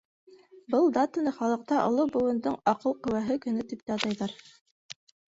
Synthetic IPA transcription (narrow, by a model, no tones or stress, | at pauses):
bɤlˠd̪at̪ŏnɤχɑlˠɤ̆q̚t̪ɑʔŏ̰lˠobŏwɤ̆nd̪oɴɑqɤlˠqɵ̆wæɦɘkɵ̆nɵt̪ip̚t̪æɑt̪ɑjðɑɾ